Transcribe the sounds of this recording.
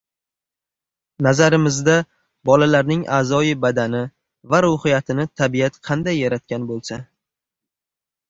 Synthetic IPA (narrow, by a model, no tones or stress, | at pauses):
nazaɾɪmɪzd̪a | bɒlalaɾnɪŋʔaːzɒjɪbad̪anɪ | vaɾʊhɪjat̪ʰɪnɪt̪ʰabijat̪qʰɑnd̪ajːaɾat̪̚kʲanbolˠsa